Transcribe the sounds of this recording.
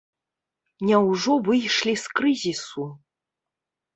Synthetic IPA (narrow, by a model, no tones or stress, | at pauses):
nʲɛwʐɔvɨjʂlʲiskɾɨzʲisu